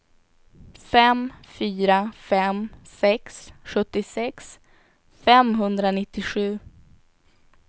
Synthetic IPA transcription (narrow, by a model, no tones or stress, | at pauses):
fɛmfyːɾafɛmsɛksɧɵt̪ːɪsɛks | fɛmɦɵnd̪ɾanɪt̪ːɪɧʉ̟ː